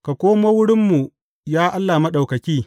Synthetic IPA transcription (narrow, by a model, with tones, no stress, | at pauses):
ka˨kʷoː˦ma˦wʊ˦ɽɪ˦mːu˨ | jaː˦ʔa˦lːaː˨ma˦ɗa˨wkɐ˨kʲiː˦